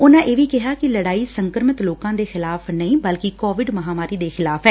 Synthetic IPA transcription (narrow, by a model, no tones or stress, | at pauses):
ʊnãːʔeːʋiːkɪɦaːkɪləɽaːiːsəŋkəɾmət̪loːkãːd̪eːxɪlaːpʰnəĩːbəlkɪkɔːʋɪɖməɦaːmaːɾiːd̪eːxɪlaːpʰɛː